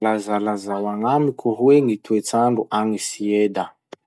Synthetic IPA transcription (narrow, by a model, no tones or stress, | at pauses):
lazalazawaŋamikʰʲuɦueŋit̪uet͡saɳɖ͡ʐuʔaŋisied̪ə